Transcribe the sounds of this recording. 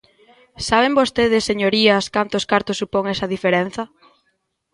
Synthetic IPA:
saβ̞embost̪eð̞ɪsːeɲoɾiɐskant̪ʊskaɾt̪ʊsːupoŋɛsɐðifeɾen̟θɐ

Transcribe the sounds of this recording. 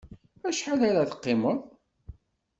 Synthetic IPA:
æʃħalaɾæθə̥qːɪməðˤ

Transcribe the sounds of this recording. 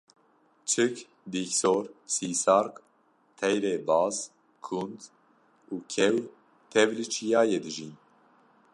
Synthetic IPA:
t͡ʃʰɨk | d̪iːksoːɾsiːsɑːɾk | t̪ʰɛjɾeːbɑːz | kʰund̪ | uːkʰɛw | t̪ʰɛvlɨt͡ʃʰijɑːjeːd̪ɨʒiːn

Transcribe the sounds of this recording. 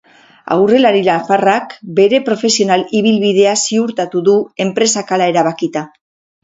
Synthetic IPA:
a̰wre̞laɾilafarakbe̞ɾe̞pɾo̞fe̞sio̞naliβ̞ilβiðe̞asiuɾt̪at̪uðue̞mpɾe̞sakalae̞ɾaβakit̪a

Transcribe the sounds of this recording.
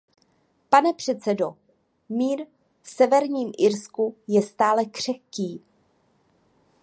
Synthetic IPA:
panɛpr̝̥ɛt̪t͡sɛdo̞ | miːɾ | fsɛvɛɾɲiːmʔɪɾskujɛst̪aːlɛkr̝̥ɛxciː

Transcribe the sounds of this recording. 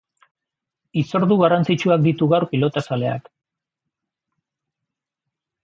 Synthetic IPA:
iso̞ɾðuɣarant͡sit͡ʃuak̚d̪it̪uɣawɾpilo̞t̪asale̞a̰k

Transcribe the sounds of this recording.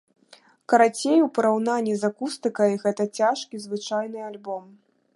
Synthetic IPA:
kɐɾat͡sʲejupɐɾawn̪anʲːizakust̪ɨkɐjɣɛt̪ɐt͡sʲaʂkʲizvɨt͡ʂajnɨalʲbɔm

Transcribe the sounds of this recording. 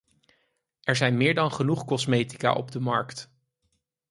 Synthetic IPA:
ɛɹzɛjnmɪːɹdɑnχənuχkɔsmejti̥ka̰ʔɔ̰bdəmɑɹkt

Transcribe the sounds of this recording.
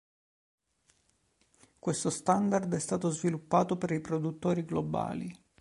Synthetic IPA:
kwest̪ost̪and̪ard̪ɛst̪aːt̪ozvilupːaːt̪opeɾipɾod̪ut̪ːoːɾiɡloba̰ːli

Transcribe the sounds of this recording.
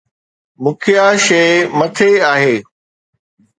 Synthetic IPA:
mʊ̃kʰɪjaʃeɪmɐt̪ʰeaːɦeː

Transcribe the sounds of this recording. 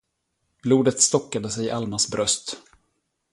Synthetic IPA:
b̥luːd̪ət̪st̪ɔkːad̪əsɛjʔalmasbɾœst̪

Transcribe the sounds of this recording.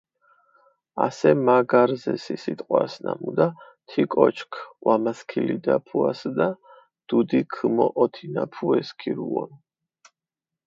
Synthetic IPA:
asɛmaɡaɾzɛsisit̪ʼqʼwasnamud̪a | t̪ʰikʼɔt͡ʃʰkʰwamaskʰilid̪apʰuasd̪a | d̪̥ud̪ikʰɨmɔʔɔt̪ʰinapʰuɛskʰiɾuɔn

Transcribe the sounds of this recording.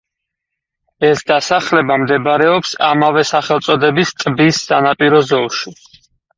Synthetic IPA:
ɛsd̪asaχlɛbamd̪ɛbɾɛɔpsa̰mavɛsaχɛlˠt̪sʼɔd̪ɛbist̪ʼbisːanapʼiɾɔzɔlˠʃi

